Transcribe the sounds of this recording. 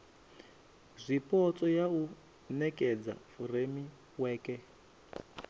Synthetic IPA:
zʷipɔt͡sʼɔjau | nɛkʼɛd͡za̰furemi | wɛːkɛ

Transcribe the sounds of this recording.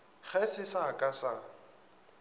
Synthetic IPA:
χɛsɪsakʼasa

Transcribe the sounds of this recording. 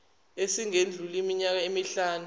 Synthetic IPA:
esiŋend͡ɮʱulimiɲak̬aemiɬaːnu

